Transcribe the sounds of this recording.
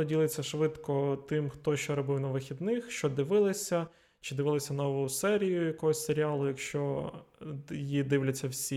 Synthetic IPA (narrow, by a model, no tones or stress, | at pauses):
ɔdʲilˠɪt͡sʲːɐʃʋɪd̪kɔt̪ɪmxt̪ɔʃt͡ʃɔɾɔbɪwnɐʋɪxʲid̪nɪxʃt͡ʃɔd̪ɪʋɪlˠɪsʲɐ | t͡ʃɪd̪ɪʋɪlˠɪsʲɐnɔʋɔjʊsɛɾʲijʊjɐkɔɦɔsʲseɾʲialˠʊjɐkʃt͡ʃɔ | jjid̪ɪwlʲɐt͡sʲːɐwsʲi